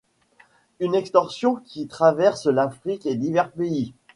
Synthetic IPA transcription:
ynɛkst̪ɔʁsjɔ̃kʲit̪χavɛʁslafχiked̪ivɛʁpei

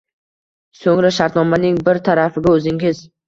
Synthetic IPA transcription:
soŋɾaʃaɾt̪nɒmanɪŋbɪɾt̪ʰaɾafɪɡʲaɵzɪŋɪz̥

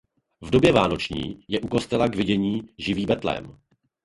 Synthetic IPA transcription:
vdo̞bjɛvaːno̞t͡ʃɲḭːjɛʔuko̞st̪ɛlaɡvɪɟɛɲiːʒɪviːbɛt̪lɛ̰m

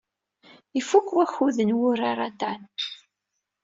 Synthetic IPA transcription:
ifukːwæçuðənwʊɾaɾˤat̪an

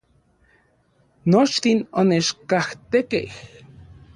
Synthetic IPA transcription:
not͡ʃt̪inonet͡ʃkaht̪ekḛh

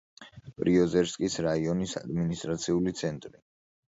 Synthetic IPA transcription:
pʼɾiɔzɛɾskʼisɾaiɔnisa̰d̪minist̪ʼɾat̪sʰiulit̪sʰɛnt̪ʼɾi

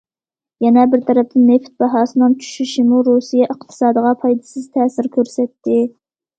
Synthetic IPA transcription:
jɛnɛbɪɾt̪ʰɛɾɛp̚t̪ʰɪnːeft̪̚bɑɦɑːsɨnɨŋt͡ʃʰy̥ʃyʃɪmuɾusijɛʔəqt̪ʰɨ̥sɑːd̪əʁɑpʰɑjd̪ɨ̥sɨz̥t̪ʰɛːsɪɾkʲʰøɾsɛt̪ʰːɪ

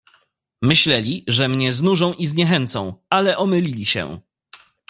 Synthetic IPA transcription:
mɘɕlɛlʲiʐɛmɲɛznuʐɔ̃w̃ʔizɲɛxɛnt̪sɔ̰̃w̃alɛʔɔmɘlʲilʲiɕɛ̰

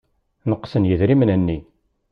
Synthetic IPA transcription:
nəqːsənjəðɾimənænːi

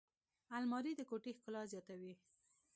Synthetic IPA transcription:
almɑɾid̪əkoʈexkʊlɑzjɑt̪awi

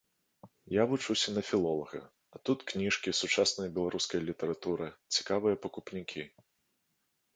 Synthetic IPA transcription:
javut͡ʂɨwsʲɐnɐfʲilˠɔlˠɐɣɐ̰ | ɐt̪ut̪knʲiʂkʲisut͡ʂasnɐjɐbʲɛlˠaɾuskɐjɐlʲit̪ɐɾat̪uɾɨt͡sʲi̥kavɨjɐpɐkupnʲikʲi

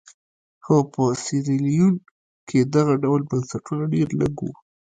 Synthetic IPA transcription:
xapəsɪɾilijun | kʰed̪aɣaɖawlbansaʈunaɖeɾləɡṵ

